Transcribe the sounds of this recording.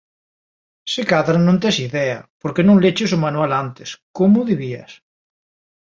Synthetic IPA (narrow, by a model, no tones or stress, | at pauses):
sekaðɾanõnt̪̬esiðɛa̰poɾkenõŋlet͡ʃesomanualant̪eskomʊðiβiɐ̰s